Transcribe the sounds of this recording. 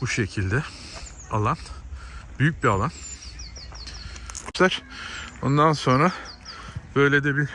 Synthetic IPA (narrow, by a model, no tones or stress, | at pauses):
buʃe̞cʰilʲd̪ɛ | alˠanbyjyc̚bialˠan | t̪æɾ̥ond̪anso̞nɾa | b̥ø̞jlʲed̪ɛbi